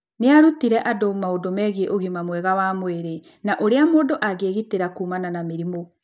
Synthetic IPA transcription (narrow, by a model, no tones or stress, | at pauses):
neaɾutiɾɛʔadomaodomɛɣieʔoɣimamwɛɣawamweɾe | naʔoɾeamoːdoʔaɣeːɣiteɾakuːmananameɾimo